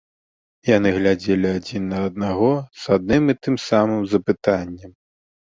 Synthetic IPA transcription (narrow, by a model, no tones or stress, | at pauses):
janɨɣlʲad͡zʲelʲiad͡zʲinːɐːd̪̚naɣɔz̥ad̪nɨmit̪ɨmsamɨmzɐpɨt̪anʲːɛm